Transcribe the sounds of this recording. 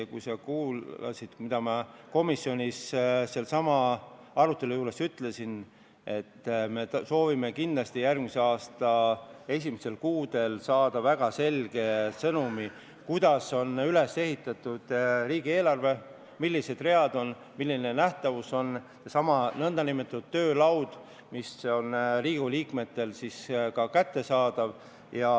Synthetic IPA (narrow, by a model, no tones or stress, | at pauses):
kṵjsekuːɑ̰sid̪̥mid̪ɑmɑko̞misːio̞nʲisse̞lsɑmɑ | ɑɾut̪ːˑelujuːle̞syt̪le̞sin | e̞t̪ːme̞so̞ːvime̞kinlɑst̪ijærɡmise̞ɑːst̪ɑe̞s̬ʲimise̞lkuːd̪e̞lsɑːd̪̥ɑvæɡ̥ɑse̞lɡ̥e̞sɤnumi | kujd̪̥ɑso̞nyle̞sːe̞ɦit̪ːˑɑt̪ːˑud̪̥riːɡ̥ie̞ːlɑrve̞ | milːise̞d̪̥re̞ɑd̪o̞n | milːinenæht̪ɑvuso̞n | sesɑmɑnɤnd̪ɑnimet̪ːˑɑt̪ːudt̪ːø̞ːlɑwd̪̥ | miso̞nriːɡuliːkme̞t̪ːe̞lsiskɑkæt̪ːe̞sɑːd̪̥ɑv | jɑ